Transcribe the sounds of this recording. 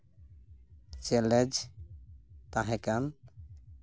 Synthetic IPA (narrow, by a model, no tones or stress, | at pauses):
t͡ʃɛlɛd͡ʒ | t̪ãɦɛ̃kan